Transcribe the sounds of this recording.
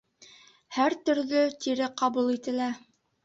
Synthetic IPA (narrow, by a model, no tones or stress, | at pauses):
hæɾt̪ɵ̆ɾðɵt̪iɾɘqɑβulˠit̪ɘ̆læ